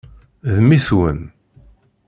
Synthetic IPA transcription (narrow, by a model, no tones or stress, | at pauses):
ðmiθwən